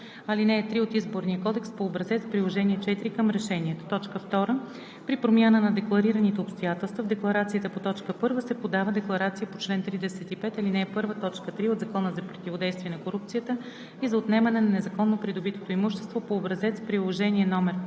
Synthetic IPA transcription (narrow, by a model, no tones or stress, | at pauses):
ɐlinɛːt̪ɾiot̪izboɾnijəkɔd̪ɛkspoːbɾɐzɛt̪spɾilˠoʒɛniɛt͡ʃɛt̪iɾikəmɾɛʃɛniɛt̪o̥t̪ɔt͡ʃkəft̪ɔɾə | pɾipɾomʲjanənɐd̪ɛklˠɐɾiɾənit̪ɛopst̪ojat̪ɛlˠst̪vɐvd̪ɛklˠɐɾat̪sijət̪əpot̪ɔt͡ʃkəpɤɾvəsɛpod̪avəd̪ɛklˠɐɾat̪sijəpot͡ʃlɛnt̪ɾid̪ɛsɛt̪ipɛt̪ɐlinɛːɛpɤɾvət̪ɔt͡ʃkət̪ɾiod̪zɐkɔnəzɐpɾot̪ivod̪ɛjst̪vʲiɛnɐkoɾup̚t̪sijət̪ə | izɐot̪nɛmɐnɛnɐnɛzɐkɔnːopɾid̪obit̪o̥t̪oimuʃt̪ɛ̥st̪vopoːbɾɐzɛt̪spɾilˠoʒɛniɛnɔmɛɾ